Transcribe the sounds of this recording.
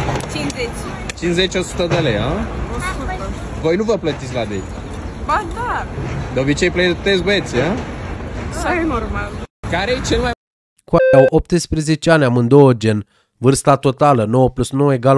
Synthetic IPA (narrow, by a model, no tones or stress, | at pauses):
t͡ʃinzet͡ʃʲ | t͡ʃinzet͡ʃʲosu̥t̪əd̪elejaosu | vo̞jnuvəplət̪it̪sʲlad̪ḛk | bad̪aɾd̪obit͡ʃejplet̪esbet̪sʲa | sanormalkaɾejet͡ʃelma | kuaawʔop̚t̪ɨspɾezet͡ʃeanʲamɨnd̪ood͡ʒen | vɨrst̪at̪o̞t̪alənowəplut̪snoweɡal